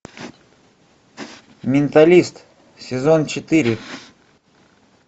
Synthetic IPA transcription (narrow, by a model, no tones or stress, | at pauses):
mʲɪnt̪ɐlʲist̪ | sʲɪzont͡ɕɪt̪ɨɾʲɪ